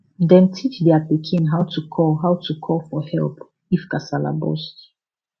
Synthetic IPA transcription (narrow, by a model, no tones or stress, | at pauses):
dɛ̃ntʰit͡ʃdɛapikʰĩnɦawtʰukʰɔɦawtʰukʰɔlfɔhɛlˠp | ifkasala̰bɔ̰st